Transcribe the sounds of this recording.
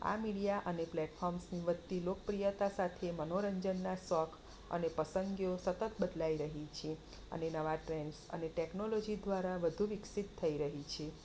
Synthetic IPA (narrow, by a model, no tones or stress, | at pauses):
a̰miɽijaʔəneplɛʈfʰɔɾmsniʋəd̪t̪ilokəpɾijət̪asat̪ʰemənoɾəɲd͡ʒənːasɔkʰ | ə̰nepəsəŋɡjosət̪ət̪bəd̪laiɾəɦit͡ʃʰe | ə̰nenəʋaʈɾensə̰neʈɛknolod͡ʒid̪ʋaɾaʋəd̪ʱuʋiksit̪ʰːəiɾəɦit͡ʃʰe